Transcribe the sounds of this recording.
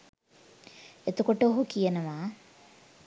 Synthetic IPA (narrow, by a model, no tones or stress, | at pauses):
et̪ukoʈəoɦukijənəʋaː